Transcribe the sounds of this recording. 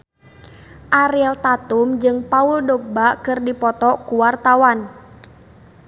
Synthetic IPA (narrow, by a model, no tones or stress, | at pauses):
ʔaɾiɛlt̪at̪umd͡ʒɨŋpauldɔɡ̚bakɨrdipɔt̪ɔkuwart̪awan